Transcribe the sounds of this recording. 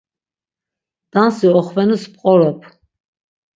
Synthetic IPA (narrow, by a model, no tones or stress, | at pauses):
d̪̥ansiɔχvɛnuspʼqʼɔɾɛpʰ